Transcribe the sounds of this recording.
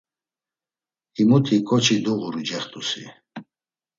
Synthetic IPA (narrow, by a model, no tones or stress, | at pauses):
imut̪ʰikʼɔt͡ʃʰid̪uʁuɾd͡ʒɛχt̪ʼusḭ